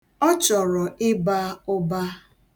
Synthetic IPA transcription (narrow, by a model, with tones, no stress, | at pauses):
ɔ˦t͡ʃɔ˨ɾɔ˨ʔɪ˦ba˦ʊ˦ba˦